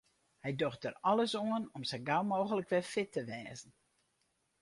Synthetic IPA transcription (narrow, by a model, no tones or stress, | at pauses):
hɛjdoxtərɔləsoənɔmsəɡawmoːɣələkʋɛfɪtəʋɛːzən̩